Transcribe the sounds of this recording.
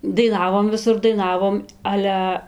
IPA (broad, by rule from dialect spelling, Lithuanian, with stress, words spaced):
dɐɪˈnɑːʋoːm ʋʲɪˈsʊr dɐɪˈnɑːʋoːm ˈɑːlʲɛ